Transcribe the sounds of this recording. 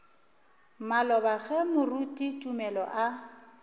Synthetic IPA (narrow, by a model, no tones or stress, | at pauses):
malɔbaɣɛmʊrutʼitʼumɛlɔ̰ʔa